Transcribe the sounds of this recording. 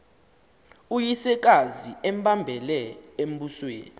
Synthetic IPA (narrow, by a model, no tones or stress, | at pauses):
ujisɛk̬aziɛmbambʱɛlɛem̩buswḛːni